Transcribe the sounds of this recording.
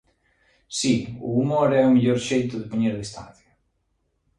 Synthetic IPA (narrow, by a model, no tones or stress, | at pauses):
siʊ̰ːmoɾɛumiʎoɾʃejt̪ʊðɪpoɲeɾðest̪a̰θo